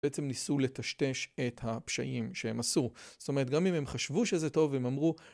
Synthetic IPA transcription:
eʔet͡se̞mnisule̞tɐʃte̞ʃe̞thapʃa̰ʔimʃehe̞masuz̥o̥t̪o̞me̞et̚ɡamime̞mχaʃvuʃezeto̞vemamʁu

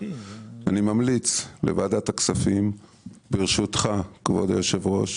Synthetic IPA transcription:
animamlit͡slḛvad̪at̪aksafim | biʁʃut̪χakvo̞̰d̪joʃevʁo̞ʃ

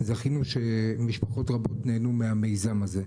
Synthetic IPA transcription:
zaχinuʃe̞miʃpaχo̞tʁabo̞tneːnumeame̞jzamaze̞

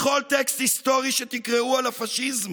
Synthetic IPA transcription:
χo̞lt̪ekst̪hist̪o̞ʁiʃet̪ikʁeualafaʃizm

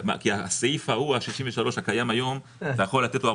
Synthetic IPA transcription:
ma̰kiaaseifahuaʃiʃiɱveʃaloʃhakajamajo̞m | t̪ajaχo̞lːat̪et̪loa

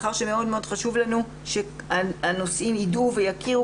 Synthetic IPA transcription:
χaʁʃeme̞o̞d̪meo̞d̪χaʃuvlanu | ʃeaano̞simiduve̞jakiʁu

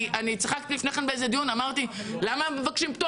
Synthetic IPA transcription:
ʔanit͡siχak̚t̪ilifneχenbeezed̪ijunamaʁt̪ilamamevakʃimpt̪o

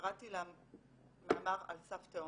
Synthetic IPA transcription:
ʁatilam | maʔamaʁa̰lsafteo

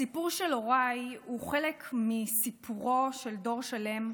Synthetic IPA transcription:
sipuʁʃelo̞ʁajhuχelekmisipʰuʁo̞ʃeldo̞ʁʃale̞m

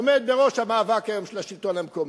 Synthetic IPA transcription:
med̪̚beʁo̞ʃhamaːvakhajo̞mʃelaʃilt̪onamkom

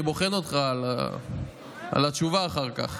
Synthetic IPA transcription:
ibo̞χeno̞t̪χala̰ | a̰lat͡ʃuvaːχaʁka̰χ

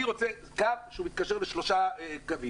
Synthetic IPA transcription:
iʁo̞t͡se | kavʃeumit̪̚kaʃeʁleʃloʃaekavi

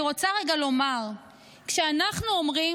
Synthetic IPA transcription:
ʁo̞t͡saʁe̞ɡalo̞maʁ | kʃeanaχnuomʁi

